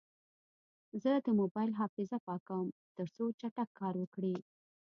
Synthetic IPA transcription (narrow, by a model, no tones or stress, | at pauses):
zəd̪əmobɑjlɦɑfɪzapɑkawəmt̪əɾsot͡ʃaʈakʰːɑɾwəkɽi